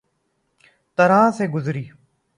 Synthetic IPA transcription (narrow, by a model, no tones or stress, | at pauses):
t̪əɾãːseːɡʊzɾiː